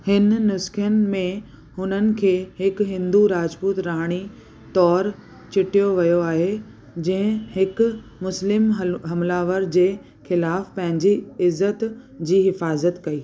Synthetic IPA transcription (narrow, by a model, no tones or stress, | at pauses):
hɪnnʊskʰjənɪ̆mẽ | hʊnənɪ̆kʰeːɦɪkɦɪ̃nd̪uɾaːd͡ʑpuːt̪ɾaːɽ̃i | t̪ɔːɾ | t͡ɕɪʈijoʋɐjoaːɦe | d͡ʑɐ̃ɦɪ̃hɪkʊ | mʊslɪmɦɐmlaːʋəɾd͡ʑeː | xɪlaːfpɐ̃ɦɪ̃ɲd͡ʑiɪzːət̪ | d͡ʑiːɦɪfaːzət̪kɐiː